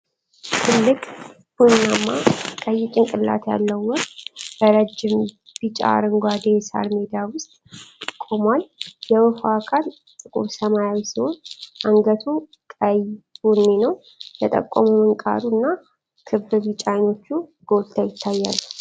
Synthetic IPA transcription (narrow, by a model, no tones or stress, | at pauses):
t̪ʰɨlːɨkʼ | b̥unamːakʼəjːɪt͡ʃʼɪŋkʼɨlːa̰t̪ʰja̰lːəwːɔkb̥əɾəd͡ʒːɪm | b̥it͡ʃʼa̰ɾɨŋɡʷad̪esa̰lmed̪awʊst̪ʼt̪ʼɨkʼːomaljɛwɨfakʰal | t̪ʼɨkʼṵɾsəmajawisiho̞nʔaŋɡət̪ʰu | kʼəjbunːenəw | jɛt̪ʼə̰kʼːɔ̰mumɨŋkʼa̰d̪unːa | kʰɨbɨβit͡ʃʼajno̞t͡ʃːuɡ̥o̞lt̪ʰajɪt̪ʰːajːa̰lː